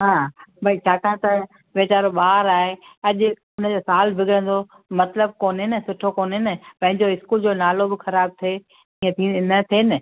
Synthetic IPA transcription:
ɦãːbʱɐit͡ɕʰaːkãːt̪ɐ | ʋeːt͡ɕaːɾɓaːɾaːɦeɐʄʊ | ʊnd͡ʑosaːlbʱɪɡʱɪɾə̃n̆d̪o | mɐt̪ləb̚koːnɦɪnəsʊʈʰokoːnɦɪnɪpɐ̃ɦɪ̃ɲd͡ʑoɪskuːld͡ʑoːnaːlobɪxɐɾaːb̚t̪ʰe | iːə̃t̪ʰĩnɐt̪ʰeːnɪ

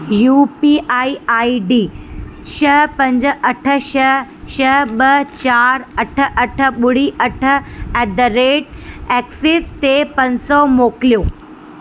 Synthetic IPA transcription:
juːpiʔaːiaːiɖiːt͡ɕʰɐpɐ̃ɲd͡ʑə̆ʔɐʈʰə̆ʃɐʃɐɦɓɐt͡ɕaːɾɐʈʰə̆ʔɐʈʰə̆ɓʊɽ̤iʔɐʈʰə̆ɛd̪əɾeːʈɛːksɪst̪epɐ̃ɲsɔmoːkɪlijoː

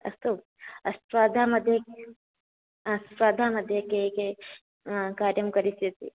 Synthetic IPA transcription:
ɐ̰st̪u | ɐsʋaːd̪ʱaːmɐd̪ʱek | ɐsʋaːd̪ʱaːmɐd̪ʱjekeke | kaːɾjɐmkɐɾisjɐt̪ḭ

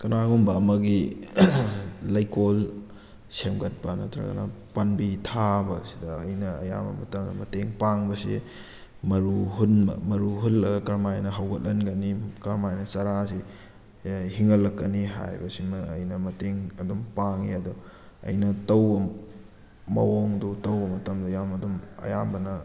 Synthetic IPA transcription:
kɐnaɡumbɐːmɐɡi | lɐjkol | semɡɐt̚pɐnɐ̰tɾɐ̰ɡɐ̰nɐ̰pɐnbitʰabɐsi̥dɐːjnɐɐ̰ja̰bɐ̰mɐtɐmdɐ̰mɐteŋpaŋbɐsḭ | mɐɾuɦunmɐ̰mɐɾuɦulɐɡɐkɐɾmajnɐɦɐwɡɐt̚lɐnɡɐnikɐɾmajnɐsɐɾasi | hiŋɐlːɐkːɐniɦa̰jbɐsimːjnɐmɐteŋɐdumpaŋiɐdɔ | ɐ̰jnɐtɐwbɐ | mɐ̰woŋdutɐwbɐmɐtɐmdɐjamɐdumɐ̰jambɐnɐ

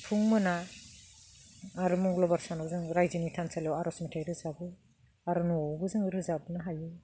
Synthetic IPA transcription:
tʰuŋmɯna | ɾumɔŋɡlɔbaɾsanɔbzɯŋɾajzinitʰansalawaɾɔsmitʰajɾɯzabɯ | aɾunuɔwbɯzɯŋɾɯzabɯnɯɦajɯ

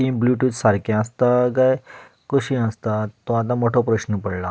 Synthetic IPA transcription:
ʈimbluʈut͡ssaɾkẽast̪aɡaj | koɕĩãst̪at̪ɔat̪̬ãmoʈʰopɾəɕnəpəɽla

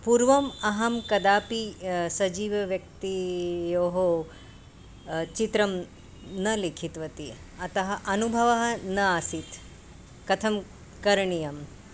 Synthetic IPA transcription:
puɾʋɐmɐɦɐmkɐd̪aːpisɐd͡ʒiːʋɐʋjɐk̚t̪ijoːɦo | t͡ʃit̪ɾɐm | nɐlekʰit̪ʋɐt̪i | ɐt̪ɐɦɐʔɐnubʱɐʋɐɦɐnɐaːsit̪ | kɐt̪ʰɐm | kɐɾɳijɐm

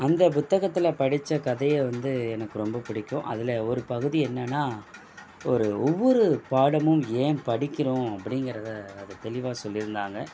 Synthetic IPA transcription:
ɐnd̪ɐp̬ʊt̪ːɐɣɐt̪ːɪlɐpɐɽɪt͡ʃːɐkɐðɐjɐʋɐnd̪ɯɛnɐkːɯɾɔmbɐpɪɽɪkʲːʊ̰̃ʔɐ̰ðɪlɐɔɾɯpɐɣɯðiɛnːɐnːaː | ɔɾɯɔʋːɔɾɯpaːɽɐmɯmeːnpɐɽɪkʲːɪɾʊ̃ɐpːɐɽɪŋɡɪɾɐðɯɐðɯt̪ɛlɪʋaːsɔlːɪɾɯnd̪aːŋɡɐ

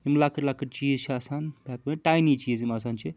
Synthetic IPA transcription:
imlaːkəɾlaːkəʈt͡ʃizt͡ʃʰiasaːnbak̚bɐʈajnit͡ʃiːzimas̬ant͡ʃʰi

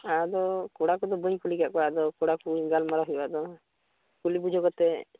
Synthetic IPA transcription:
ad̪ɔkɔɽakud̪ɔbəɲkuliɡaʔkɔad̪ɔkɔɽakuɡalmaɾaɦibaʔd̪ɔ | kulibud͡ʒɔɡɔt̪ɛ

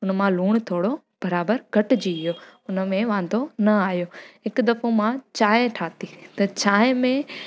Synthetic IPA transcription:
ʊnəmãluːɽ̃t̪ʰoːɽo | b̥ɐɾaːbəɾɡʱɐʈ̆d͡ʑiːɪjoːʊnə̆mẽʋãːn̆d̪ʱonɐaːɦjoɦɪkd̪ɐfomãt͡ɕaːeʈʰaːt̪it̪ɐt͡ɕaːɪmẽ

